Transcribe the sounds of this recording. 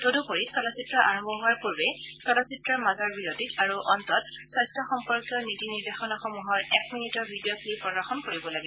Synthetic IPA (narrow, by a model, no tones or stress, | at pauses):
todupoɹisɔlasitɹɔʔa̰ɹɔmbɔɦuaɹpuɹbɛ | sɔlɔsitɹɔɹmazɔɹbiɹoditaɹuʔɔntɔt | swajstʰɔxɔmpɔɹkjɔnitiniɹdexɔnɔxɔmuɦɔɹɛkminitɔɹbʱidioklipːɔɡaxɔnkoɹibɔlaɡɛ